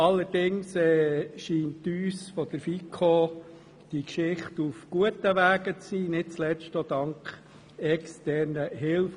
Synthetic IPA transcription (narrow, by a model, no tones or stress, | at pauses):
ɑlːəɾd̥ɪŋsɛːʃiːntːyːsfɔd̥əɾfikʰːo | d̥ikʃɪχtufɡ̥uətəʋæːɡət͡siːnɪt̚t͡slɛt͡stɔd̥ɑŋkχ | ɛkstɛɾnəɦɪlf